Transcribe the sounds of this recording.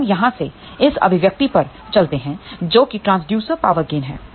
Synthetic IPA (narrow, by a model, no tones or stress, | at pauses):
mjɐɦãse | ɪsɐ̰bʱɪʋjək̚t̪ipɐɾ | t͡ʃɐlt̪eɦɛ̃d͡ʒoːkiʈɾãːnsɖjuːsəɾpaːʋəɾɡeːnɦɛ̰̃ː